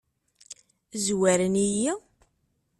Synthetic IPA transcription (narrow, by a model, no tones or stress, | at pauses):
zwæɾəniji